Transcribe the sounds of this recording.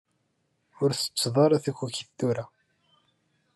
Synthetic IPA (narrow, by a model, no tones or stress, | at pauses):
ʊɾθə̥t͡sːðˤɑɾˤæθækːuçiθθuɾa